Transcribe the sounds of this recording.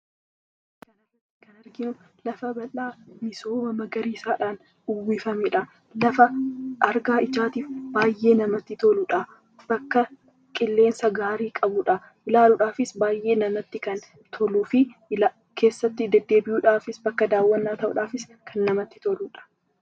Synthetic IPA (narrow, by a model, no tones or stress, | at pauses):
kɐnɐ | kɐnɐɾɡɪnʊ | lɐfɐbɐlaːmɪsoːmɐmɐɡɐɾiːsaːᶑaːn | ʊwːiːfɐmeᶑɐ | lɐfɐʔɐɾɡaːɪd͡ʒaːt̪iːfbaːjʔːe̞ːnɐmɐt̪ːɪt̪olʊᶑɐ | b̥ɐkːɐ | kʼɪlːe̞ːnsɐɡaːɾiːkʼɐbʊᶑɐ | ʔɪlaːlʊᶑaːfɪsbaːjʔe̞ːnɐmɐt̪ːɪkɐn | t̪ʰɔluːfɪla | kʰe̞ːsːɐt̪ːɪd̪ɛd̪ːe̞ːbɪjuːᶑaːfɪsbɐkːɐd̪aːwːɐnːaːt̪ɐʔʊ̰ᶑaːfɪs | kʰɐnːɐmɐt̪ːɪ̥t̪ɔluᶑɐ̥